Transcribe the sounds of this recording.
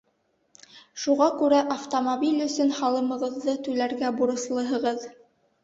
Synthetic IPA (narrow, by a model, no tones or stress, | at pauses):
ʃuʁɑkʉɾæʔɐft̪omobilʲɵ̆sɵnhɑlˠɤ̆mɤ̆ʁɤ̆ðːɤt̪ʉlæɾɡæbuɾɤ̆slˠɤ̆ɦɤ̆ʁɤð